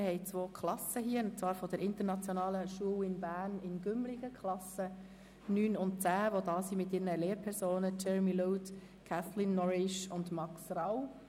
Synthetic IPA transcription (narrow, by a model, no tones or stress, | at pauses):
hɛɪt͡sʋoːkʰlɑsəɦiːənt͡svɑːɾfɔd̥ɛɾɪntəɾnɑt͡sjɔnɑːləʃuəwɪnbæːɾnɪnɡʏmlɪɡ̥əkχlɑsə | nyːnʊnt̚t͡sæːʋodɑːsimɪtɪːɾnəleːɾpʰɛɾsoːnət͡ʃɛɹmiluːt | kʰaθlɪnːɔɾɪʃʊndmɑksraw